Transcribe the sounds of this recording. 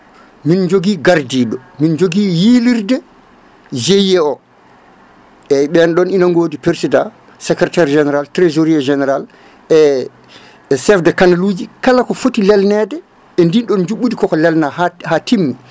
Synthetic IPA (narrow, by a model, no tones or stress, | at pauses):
mind͡ʒoɡiːɡaɾdiɗɔmind͡ʒoɡijiliɾdɛ | d͡ʒejːɛɔ | ɛɓɛnɗɔninaŋɡoːdipeɾsida | sɛkɾɛtɛɾd͡ʒɛnɛɾaltɾezoɾiad͡ʒɛnɛɾal | ɛ | sɛfdɛkanaluːd͡ʒikalakɔfotilɛlnɛdɛ | ɛndinɗɔnd͡ʒuɓːudikɔkɔlɛlnahhatimːi